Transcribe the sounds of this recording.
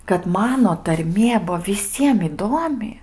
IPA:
kɐt ˈmɑːnoː tɐrʲˈmʲiɛ ˈbʊʋoː ʋʲɪˈsʲiɛm ɪˈduɔmʲɪ

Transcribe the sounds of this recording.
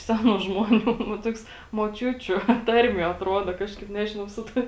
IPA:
ˈsʲæːnuː ʒmoːˈnʲuː ʋɐ ˈtoːks moːˈt͡ʃʲʊt͡ʃʲʊ ˈtɐrʲmʲiɛ ɐtˈruɔdɐ ˈkɑːʃkɐɪp ˈnʲæːʒʲɪnɐʊ ˈsʊ tɐɪ

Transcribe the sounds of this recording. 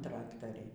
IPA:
ˈtrɑːktɐrʲɛɪ

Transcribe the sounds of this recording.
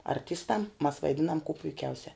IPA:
ɐrʲˈtʲɪstɐm mɐs ʋɐɪˈdʲɪnɐm kuː pʊɪˈkʲɛʊsʲɛ

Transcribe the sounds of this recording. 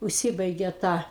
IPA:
ʊʃʲˈsʲɪbɐɪɡʲeː tɐ

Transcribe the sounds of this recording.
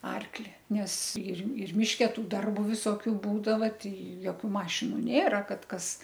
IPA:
ˈɐrklʲɪ ˈnʲɛs ɪr ɪr ˈmʲɪʃʲkʲɛ ˈtuː ˈdɐrbʊ ʋʲɪˈsoːkʲʊ ˈbuːdɐʋɐ ˈtɐɪ joːˈkʲuː ˈmɑːʃʲɪnʊ ˈnʲeːrɐ ˈkɐt ˈkɐs

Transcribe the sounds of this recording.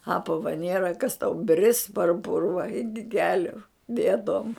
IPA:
ˈɑːpɐʋɐ ˈnʲeːrɐ kɐs tɐʊ bʲrʲɪs pɐr ˈpʊrʋɐ ˈɪkʲɪ ˈkʲæːlʲʊ ˈbʲeːdoːm

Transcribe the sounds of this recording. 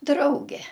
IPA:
ˈdrɐʊɡʲɛ

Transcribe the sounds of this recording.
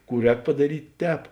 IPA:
ˈkuː ˈrʲɛːk pɐdɐˈrʲiːtʲ ˈtʲɛːp

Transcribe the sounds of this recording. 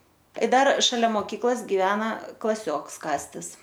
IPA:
ɪ ˈdɐr ʃɐˈlʲɛ moːˈkʲiːklˠɐs ɡʲɪˈʋʲæːnɐ klˠɐˈsʲoːks ˈkɑːsʲtʲɪs

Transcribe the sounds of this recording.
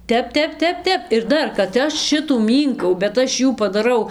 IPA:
ˈtʲɛp ˈtʲɛp ˈtʲɛp ˈtʲɛp ɪr ˈdɐr kɐt ˈɐʃ ˈʃʲɪtuː ˈmʲiːŋkɐʊ bʲɛt ˈɐʃ ˈjuː pɐdɐˈrɐʊ

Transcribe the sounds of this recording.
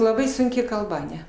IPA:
lˠɐˈbɐɪ sʊŋʲˈkʲɪ kɐlˠˈbɐ ɐˈnʲɛ

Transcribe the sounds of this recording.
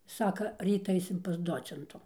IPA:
ˈsɑːkɐ ˈrʲiːt ˈɐɪsʲɪm pɐs ˈdoːt͡sʲɛntʊ

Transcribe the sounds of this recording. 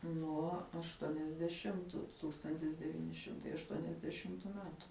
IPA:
nuɔ ɐʃˈtuɔnʲɛzʲdʲɛˌʃʲɪmtʊ ˈtuːkstɐnʲtʲɪs dʲɛˈʋʲiːnʲɪ ˈʃʲɪmtɐɪ ɐʃˈtuɔnʲɛzʲdʲɛˌʃʲɪmtʊ ˈmʲæːtʊ

